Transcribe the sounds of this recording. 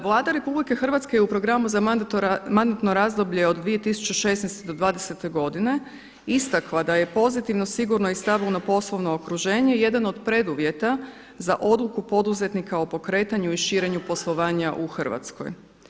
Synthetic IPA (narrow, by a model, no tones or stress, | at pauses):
ʋlˠaːd̪aɾe̞publike̞xr̩ʋat̪skejeupɾo̞ɡɾamuzamand̪at̪no̞ɾazd̪o̞bʎe̞o̞d̪d̪ʋije̞t̪isu̥t͡ɕeʃe̞snɛjst̪ed̪o̞d̪ʋaːd̪ese̞t̪e̞ɡo̞d̪ine̞ | ist̪aklad̪aje̞po̞zit̪iʋno̞siɡuɾnoist̪aʋilnapo̞slˠo̞ʋno̞ːkɾuʒe̞ːɲe̞je̞d̪ano̞d̪pɾe̞d̪uʋje̞t̪a | zaʔo̞d̪lˠukupo̞d̪uze̞t̪nikao̞po̞kɾe̞ːt̪aɲuiʃiːɾe̞ɲupo̞slˠo̞ʋaːɲaʔuxr̩ʋa̰t̪sko̞̰j